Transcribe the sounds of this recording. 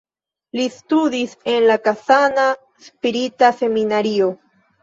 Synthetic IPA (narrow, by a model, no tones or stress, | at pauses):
listud̪ise̞nlakasana | spiɾitase̞minaɾio